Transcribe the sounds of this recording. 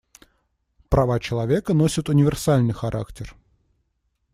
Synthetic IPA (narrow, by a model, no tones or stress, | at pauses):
pɾɐvat͡ɕɪlˠɐvʲe̞kənosʲət̪ʊnʲɪvʲɪrsalʲnɨjxɐɾʔa̰ktʲɪr